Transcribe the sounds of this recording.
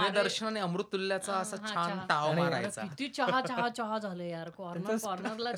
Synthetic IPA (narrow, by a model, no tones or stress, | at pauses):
ed̪əɾɕəɳaneəmɾut̪ːulːjat͡saəsaɦãant̪aʋmaɾa̰jt͡sa̰it̪iːt͡ɕəɦat͡ɕaɦat͡ɕəɦad͡zʱaləjaɾkɔɾnəkɔɾnəɾla